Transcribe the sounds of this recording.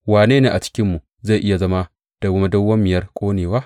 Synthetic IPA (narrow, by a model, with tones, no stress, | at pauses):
waː˨neː˦neː˨ʔa˨t͡ʃɪ̥˦kʲɪ˦mːu˨ | za˦˨ʔɪ˦ja˨zɐ˦ma˦ | d̥a˨wʊ˦ma˦dɐ˦wːɐ˦mːɪ˨jɐ˦rkʷʼoː˦neː˨waː˦